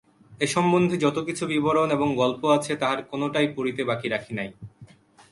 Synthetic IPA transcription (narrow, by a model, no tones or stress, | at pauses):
eʃɔmbond̪ʱed͡ʑɔt̪okit͡ɕʰubiboɾoneboŋɡɔlpoat͡ɕʰet̪aɦaɾkonoʈajpoɾit̪ebakiɾakʰinaj